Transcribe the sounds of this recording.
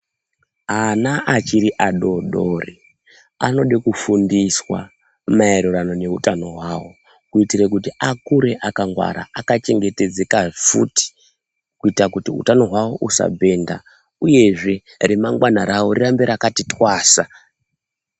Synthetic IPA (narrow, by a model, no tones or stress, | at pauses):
anaʔat͡ʃiɾiʔaɗo̞ɗori | a̰no̞ɗikufundiswa̰ | maeɾuɾano̞ne̞utano̞ɦwawo̞ | kuitiɾekutiakuɾe̞ʔakaŋɡwa̰ɾa̰akat͡ʃe̞ŋɡe̞te̞d͡ze̞kafuti̥ | kuitakutiṵtano̞ɦwawoʔusa̰bʱe̞nda̰ | uje̞ʐe̞ | remaŋɡwanaɾaworirambeɾakatitwaːsa